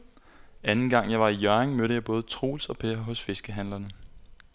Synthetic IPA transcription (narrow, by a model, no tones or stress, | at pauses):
ænn̩ɡ̥ɑ̈ŋ̰jɑ̈ɪʋɑ̈ijɶɐeŋmøɾəjɑ̈ɪb̥ɔ̽ːð̞̩ˠət͡sʰʁo̝̰ːlsɒ̽pʰeɐɦɔ̽sfe̝sɡ̥əɦænlɐnə